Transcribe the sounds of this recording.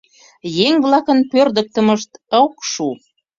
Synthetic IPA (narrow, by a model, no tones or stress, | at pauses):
jeŋβlɑkənpørd̪ək̚t̪ə̆məʃt̪əwkʃu